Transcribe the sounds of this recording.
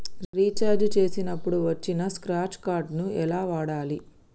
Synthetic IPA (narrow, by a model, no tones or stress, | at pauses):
ɾiːt͡ʃaːɾd͡ʒt͡ʃe̞ːsinɐpːuɽuʋɐt͡ʃːinɐskɾaːt͡ʃkaːɾɖnuɛlaːʋaːɽaːli